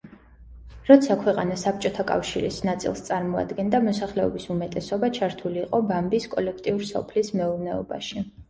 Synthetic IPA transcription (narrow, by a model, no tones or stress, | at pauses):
ɾɔt̪sʰakʰwɛqʼanasap̚t͡ʃʼɔt̪ʰakʼa̰fʃiɾḭsnat̪sʼḭlˠst̪sʼaɾmɔa̰d̪ɡɛnd̪amɔsaχlɛɔ̰bisumɛt̪ʼɛsɔbat͡ʃʰaɾt̪ʰuliːqʼɔbambiskʼɔlɛkʰt̪ʼiuɾsɔ̰pʰlismɛuɾnɛɔ̰ba̰ʃi